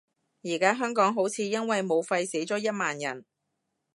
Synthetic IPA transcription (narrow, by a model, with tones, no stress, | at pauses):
jiː˨˩kaː˥ɦœː˥ŋkɔː˨˥ŋɦo˨˥wt͡sʰiː˨˧jɐ˥nwɐ˨jmo˨˧wfɐ˧jse˨˥jt͡sɔː˨˥jɐ˥t̚maː˨njɐ̰˨˩n